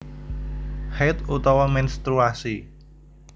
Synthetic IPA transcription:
hɛt̪ut̪ɔwɔmɛnst̪ɾuasi

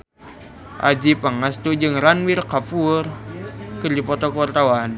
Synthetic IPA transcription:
ʔa̰d͡ʒipaŋast̪ud͡ʒɨŋɾanwirkapurkɨrdipɔt̪ɔkrt̪awan

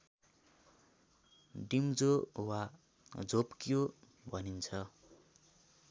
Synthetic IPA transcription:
ɖimd͡zowa | d͡zopkjo | bʱʌnint͡sʰʌ

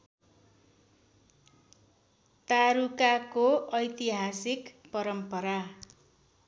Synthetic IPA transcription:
t̪aɾukakoʌjt̪iɦasikpʌɾʌmpʌɾa

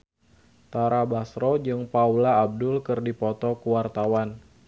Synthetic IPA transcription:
t̪aɾabasɾɔd͡ʒɨŋpaulaːb̚dʊlkɨrdipɔt̪ɔkuwart̪awan

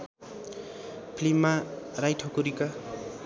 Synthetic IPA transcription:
pʰlimːarajʈʰʌkuɾika

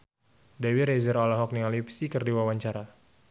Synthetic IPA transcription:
dawiɾɛzəɾɔlaɦɔk̚nialipsikərdiwawaɲt͡ʃaɾa

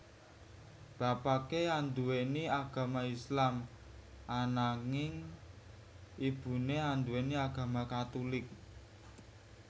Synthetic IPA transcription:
b̥a̤pakeand̪uweniaɡ̥ä̤maislam | ʔanaŋɪŋ | ib̥ṳneand̪uweniaɡ̥a̤makat̪ulɪk̚

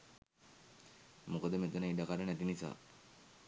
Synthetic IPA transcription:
mukəd̪əmet̪ənəiɖakaɖənæt̪inisa̰ː

